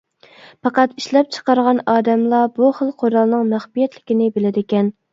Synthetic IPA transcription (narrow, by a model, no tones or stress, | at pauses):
pɑqɑt̪iʃlɛp̚t͡ʃʰə̥qɑɾʁɑnɑːd̪ɛmlˠɑbuχəlˠqʰoɾɑlˠnɨŋmæχbijɛt̪lɪkʲinɪbelɪd̪ɪkʲɛn